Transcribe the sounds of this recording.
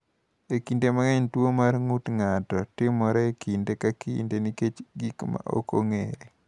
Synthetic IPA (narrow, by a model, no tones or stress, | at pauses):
ekindemaŋɛɲtwomarŋutŋatɔtɪmɔɾɔekindekakiḭndeniket͡ʃɡikma̰ʔo̰ko̰ŋḛɾe